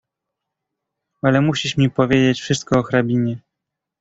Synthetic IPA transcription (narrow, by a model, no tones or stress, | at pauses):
alɛmuɕiʂmʲipɔvʲjed͡ʑet͡ɕfʂɘst̪̚kɔːxɾabʲiɲɛ